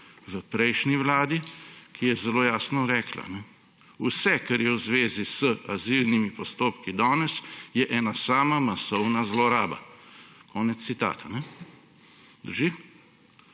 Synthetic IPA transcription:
ʋəpɾɛjʃniʋlaːd̪ikʰijɛzɛloːjaːsnɔɾɛːkla̰nɛ | usɛkaɾjɛwzʋeːzisəazilnimipɔst̪oːpkid̪ɔːnɛsjɛʔɛːnasaːmamasɔwnazlɔɾaːba̰kʰɔːnɛt̪ssit̪a̰ːt̪anɛ | d̪əɾʒi

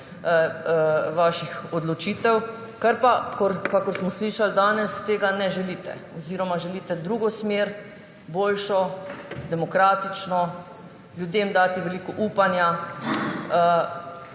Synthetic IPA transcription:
ʋaːʃixɔd̪lɔt͡ʃiːt̪ɛw | kaɾpakɔɾkakɔɾsmɔsliːʃald̪aːnɛst̪eːɡanɛʒɛliːt̪ɛ̰ɔziːɾɔmaʒɛliːt̪ɛd̪ɾuːɡɔsmeːɾ | boːlʃɔd̪ɛmɔkɾaːt̪it͡ʃnɔ | ljud̪eːmd̪aːt̪iʋɛliːkɔʔuːpanja

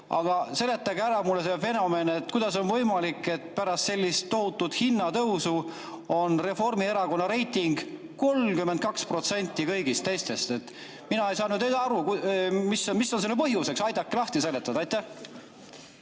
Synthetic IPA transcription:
ɑ̰ɡ̥ɑse̞le̞t̪ːˑɑɡæɾɑmulːesefe̞no̞me̞ne̞t̪kujd̪̥ɑso̞nvɤjmɑlikːˑe̞t̪pæɾɑst̪se̞lʲːist̪ːo̞ɦut̪ːˑud̪̥hinːɑt̪ɤwsu | o̞nre̞fo̞rmieɾɑko̞nːɑɾe̞jt̪iŋɡ̥ | ko̞lkyment̪̚kɑkspro̞t̪se̞nʲt̪ːˑikɤjɡ̥ist̪ːe̞jst̪e̞st̪e̞t̪ | minɑejsɑːnyːd̪ed̪ɑɾukumisːomisːonselːepɤɦjuse̞ksɑjd̪ɑkːelɑht̪ise̞let̪ːˑɑd̪ɑjt̪ːæh

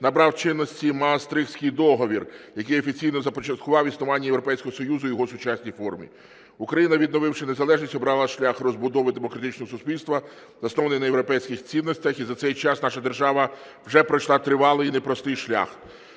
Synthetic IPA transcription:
nɐbɾɑwt͡ʃɪnːɔsʲtʲimɐːst̪ɾɪxsʲkɪjd̪ɔɦɔʋʲirjɐkɪjɔfʲit͡sʲijnɔzɐpɔt͡ʃɐt̪̚kʊʋɑwisnʊʋɑnʲːɐjewɾɔpɛjsʲkɔɦɔsɔjuzʊjɔɦɔsʊt͡ʃasʲnʲijfɔrmʲḭ | ukɾɐjinɐʋʲid̪nɔʋɪwʃɪne̞zɐlˠɛʒnʲisʲɔbɾɑlˠɐʃlʲaxrɔzbʊd̪ɔʋɪd̪emɔkɾɐt̪ɪt͡ʃnɔɦɔsʊsʲpʲilʲst̪ʋɐ | zɐsnɔʋɐnɪjnɐjewɾɔpɛjsʲkʲɪxt͡sʲinːɔsʲtʲɐxizɐt̪sɛjt͡ʃɑsnɑʃɐd̪erʒɑʋɐ | wʒɛpɾɔjʃlˠɑt̪ɾɪʋɑlˠɪjnepɾɔst̪ɪjʃlʲa̰x

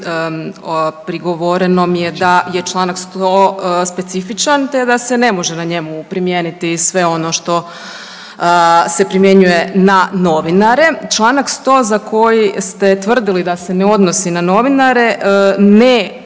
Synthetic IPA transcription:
pɾiɡo̞ʋoɾeno̞mje̞d̪ajet͡ʃlˠaːnakst̪ospe̞t̪sifit͡ʃant̪e̞d̪ase̞ne̞mo̞ʒenaɲe̞mupɾimjeːnit̪isʋe̞o̞no̞ʃt̪o̞ | se̞pɾimje̞ɲuje̞nano̞ʋinaɾe̞t͡ʃlˠaːnakst̪o̞zako̞jist̪e̞t̪ʋr̩d̪ilid̪ase̞neo̞d̪no̞sinano̞ʋinaɾe̞ne

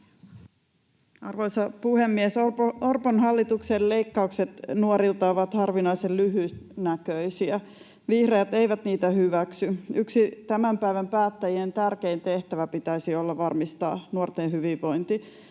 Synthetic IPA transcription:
ɑrʋojsɑpuhe̞mːiesorponɦɑlːit̪ukselle̞jkːɑukse̞t̪nuoɾilt̪ɑoʋɑt̪hɑrʋinɑisellyɦyːst̪nækøisiæ | ʋihrejæt̪e̞jʋæt̪niːt̪æhyʋæksyyksit̪æmæmpæiʋæmpæːt̪ːæjient̪ærke̞int̪e̞ht̪æʋæpit̪æisio̞lːɑʋɑrmist̪ɑ̰ːnuort̪enɦyʋiʋʋo̞jnt̪i

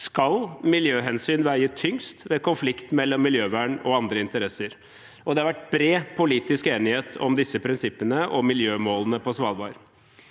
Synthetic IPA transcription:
skɑlmɪljøːɦɛnsyːnʋæɪət̪ʰʏŋst̪ʋɛkʊnflɪkt̪mɛlːɔmːɪljøːʋæːɳɔɑnd̪ɾəɪnt̪əɾɛsəɾ | ɔd̪ɛhɑɾʋæʈːbɾeːpʰʊliːt̪ɪskeːnɪheːt̪ʰɔ̰md̪ɪsːəpʰɾɪnsɪpːənəʔɔmɪljøːmoːlənəpʰɔsʋɑːlˠbɑːɾə

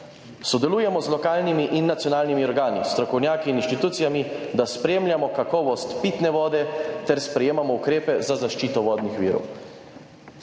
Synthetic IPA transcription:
sɔd̪ɛluːjɛmɔzlɔkaːlnimiʔinːat̪sijɔnaːlnimiɔɾɡaːnist̪ɾɔkɔwnʲjaːkiːninʃt̪it̪uːt̪sijamid̪aspɾeːmljamɔkakɔːʋɔst̪pit̪nɛʋɔːd̪ɛt̪ɛɾspɾɛjeːmamɔukɾeːpɛzazaʃt͡ʃiːt̪ɔʋɔːd̪nixʋḭːɾɔ̰w

